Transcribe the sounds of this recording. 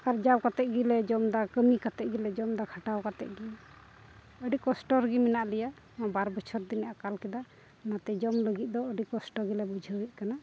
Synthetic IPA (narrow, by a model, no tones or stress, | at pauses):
aɾd͡ʒawkat̪ɛʔ̪̚ɡilɛd͡ʒɔmd̪akəmikat̪ɛʔ̪̚ɡilɛd͡ʒɔmd̪akʰaʈawkat̪ɛ̰ʔ̪̚ɡi | əɖikɔsʈɔɾɡimɛnaʔlɛja | abaɾbɔt͡ʃʰɔɾd̪inaʔakalkɛd̪a | nat̪ɛd͡ʒɔmləɡit̪̚d̪ɔəɖikɔsʈɔɾɡilɛbud͡ʒʱəwəʔkana